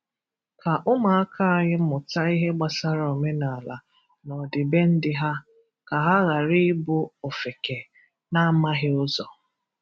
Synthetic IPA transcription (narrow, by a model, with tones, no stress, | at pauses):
ka˨ʔʊ˦ma˨a˦kʰa˦a˨ɲɪ˦mʊ˨ta˦i˦ɦe˦ɡ͡ba˨sa˦ɾo˨me˦na˨la˨ | nɔ˨dɪ˨be˦n̩˦dɪ˦ɦa˦ | ka˨ɦa˦ɣa˨ɾɪ˦ɪ˦bʊ˦o˨fe˨ke˨ | na˦ma˦ɦɪ˦ʊ˦zɔ˨